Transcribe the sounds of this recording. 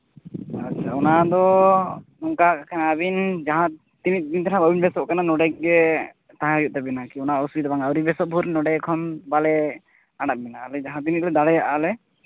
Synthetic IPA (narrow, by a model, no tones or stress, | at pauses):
atːt͡ʃʰaɔnad̪ɔ | nɔŋkakakʰanaːbind͡ʒaɦã | t̪init̪̚ˀd̪int̪ʰanãbabinbɛsɔʔ̚kananɔɖɛk̚ɡɛ | t̪aɦãɔjut̪̚t̪abinakiɔnaɔsbid̪abaŋawɾibɛsɔʔ̚bʱuɾnɔɽɛkʰɔnbalɛ | aɽat̪̚mɛnaːlɛd͡ʒaɦãt̪̬init̪̚lɛd̪aɽɛjaʔaːlɛ